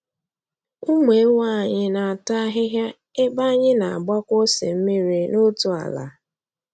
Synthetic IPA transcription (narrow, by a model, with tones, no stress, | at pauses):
ʊ˦mʷe˨˦wa˦˨ɲɪ˦na˨a˨ta˦ɦɪ˦ɦja˦ | e˦ba˦ɲɪ˦na˨a˨ɡ͡bɔ˦kʷo˦sḛ˨m̩˦mi˦ɾi˦no˦tʊ˨a̰˨la̰˨